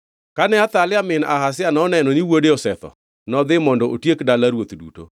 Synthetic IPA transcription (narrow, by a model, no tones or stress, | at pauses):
kanɛat̪alɪamɪna̰ɦasɪanɔnɛnɔniwodeɔsɛt̪ɔ̰ | nɔd̪ɪmɔndɔʔotjekdalaɾwot̪dṵto̰